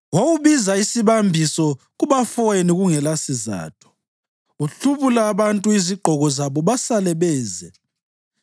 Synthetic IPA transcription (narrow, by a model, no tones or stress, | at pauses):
wowuβizaisiβambʱisɔ | ɣuβafɔniɣuŋɛlasiza̰ːtʰɔ̥ | uɬuβulaːβantʼuiziɡ͡ǃʱɔɣɔzaβɔβasalɛβɛːzɛ